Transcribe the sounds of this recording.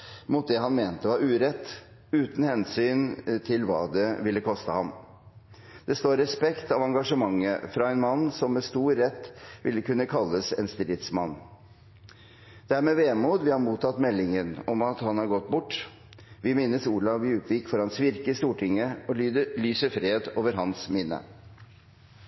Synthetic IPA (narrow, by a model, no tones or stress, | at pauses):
mʊːt̪̚d̪ɛɦɑnmeːnt̪əʋɑɾʉːɾɛt̪ː | ʉːt̪n̩hɛnsyːnt̪ʰɪlʋɑ̰ːd̪ɛʋɪlːəkʰɔst̪əhɑm | d̪̥ɛst̪oːɾɛspɛkt̪ɑʋɑŋɡɑʂəmɑŋːə̰fɾɑɛnmɑnːsɔmːɛst̪uːɾːɛt̪ːʋɪ̰lːəkʉnːəkʰɑlːəsɛnst̪ɾɪːt̪smɑnː | d̪̥æɾmɛːʋeːmuːd̪ʋɪhɑɾmuːt̪ʰɑt̪ːmɛlːɪŋənɔmɑt̪hɑnhɑɾɡɔt̪ːbʊʈː | ʋɪmɪnːəsuːɭɑʋɪʉːp̪ʰʋɪkfɔɾhɑnsʋɪɾkəst̪uːʈʰɪŋːəɔlyːd̪əlyːsəfɾeːd̪oːʋəɾɦɑnsmɪnːə̰